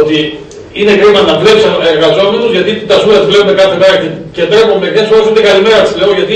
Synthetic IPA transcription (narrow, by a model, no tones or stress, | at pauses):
ot̪i | ine̞ɣɾimɐnɐvle̞psɐeɾɣɐzo̞me̞nuzʝɐt̪it̪ɐsuet̪vleomekɐθemeɾɐcecet̪ɾepomekθesoɾesind̪ekɐlime̞ɾɐt̪sle̞ɣoʝɐt̪i